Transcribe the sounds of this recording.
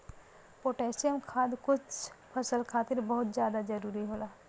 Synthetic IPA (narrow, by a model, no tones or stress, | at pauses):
poːʈɛːsijəmkʰaːd̪kʊt͡ʃpʰɐsəlkʰaːt̪ɪɾbɐɦʊt̪d͡ʒjaːd̪ad͡ʒɐɾuːɾiɦoːlaː